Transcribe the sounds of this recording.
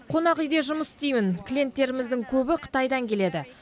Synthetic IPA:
qʰo̞nɑqʏjd̪e̞ʒʊməsɪ̥st̪ejmɪnkʲʰlʲije̞nt̪ːe̞ɾɪmɪzd̪ɪŋkʲʰɵbɪqʰə̥t̪ɑjd̪ɑŋkʲʰe̞le̞d̪ɪ

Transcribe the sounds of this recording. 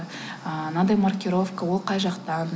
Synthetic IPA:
əənɑd̪ɑjmarkʲiɾo̞vkawo̞lˠqʰɑjʒɑqt̪ɑn

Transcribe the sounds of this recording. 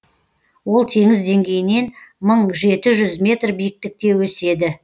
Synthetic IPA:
wo̞lˠt̪ʰe̞ŋɪzd̪e̞ŋɡʲe̞jɪne̞nməɴʒe̞t̪ɪʒʏzmʲe̞t̪rbijɪk̚t̪ɪk̚t̪e̞wɵse̞d̪ɪ

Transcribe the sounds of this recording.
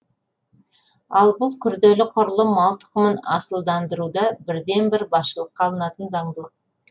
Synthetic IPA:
ɑlˠbʊlˠkʲʰʏɾd̪elɪqʰʊɾlˠəmɑlˠt̪ə̥qəmənɑ̰səlˠd̪ɑnd̪əɾud̪ɑbɪɾd̪e̞nbɪɾbɑsʃəlˠəqʰːɑlˠənɑt̪ənzɑɴd̪əlˠəq̚

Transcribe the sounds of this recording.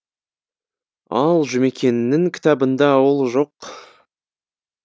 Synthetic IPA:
ɑlˠʒʏme̞kʲe̞nnːɪŋkʲʰɪ̥t̪ɑbənd̪ɑwolˠʒo̞q

